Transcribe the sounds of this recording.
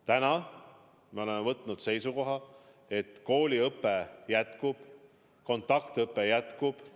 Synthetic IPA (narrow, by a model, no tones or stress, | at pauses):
t̪ænɑ | meo̞le̞mːevɤt̪ˑnud̪̥se̞jsuko̞ɦɑ | e̞t̪ko̞ːlʲiɤpːejæt̪kub̥ | ko̞nt̪ːˑɑkt̪ɤpːejæt̪kub̥